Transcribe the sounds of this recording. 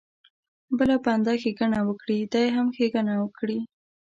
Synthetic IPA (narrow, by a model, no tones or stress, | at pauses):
bəlapəand̪ɑxeɡaɳawəkɽid̪ajɦamxeɡanawəkɽi